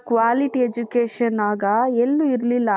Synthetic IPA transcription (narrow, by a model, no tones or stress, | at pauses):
kʋaːliʈied͡ʒukeːʃɐnaːɡɐelːuiɾlilːɐ